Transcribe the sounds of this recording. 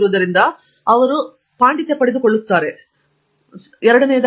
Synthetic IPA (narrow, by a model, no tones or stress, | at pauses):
ɾuʋɐðɐɾind̪a | ɐʋɐɾu | paːɳɖit̪ːepːɐɽid̪ukoɭːut̪ːaːɾe̞ | ɛɾɐɽɐneːd̪